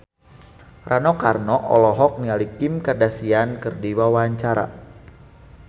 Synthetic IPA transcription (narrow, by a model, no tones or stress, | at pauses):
rʔanɔkarnɔʔɔ̰lɔɦɔk̚nialikɪmkadasiankɨrdiwawaaɲt͡ʃaɾa̰